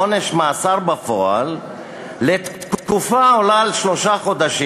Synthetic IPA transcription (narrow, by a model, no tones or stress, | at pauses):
one̞ʃmaːsaʁbafoalː | et̪t̪ktkufaolalʃlo̞ʃaχo̞d̪aʃi